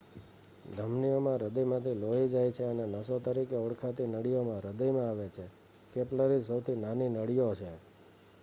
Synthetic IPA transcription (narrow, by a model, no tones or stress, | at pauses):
d̪ʱəmnijomãɾəd̪əjmãt̪ʰiloid͡ʒajt͡ʃʰeənenəsot̪əɾikeɔɽkʰat̪inəɽijomãɾəd̪əjmãaʋet͡ʃʰe | kepləɾisəwt̪ʰinaninəɽijot͡ʃʰe